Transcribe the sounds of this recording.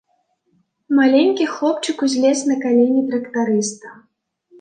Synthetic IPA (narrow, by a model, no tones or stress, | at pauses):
malʲenʲkʲixlˠɔp̚t͡ʂɨkuzʲlʲɛsʲnɐkalʲɛnʲit̪ɾɐkt̪aɾɨst̪ɐ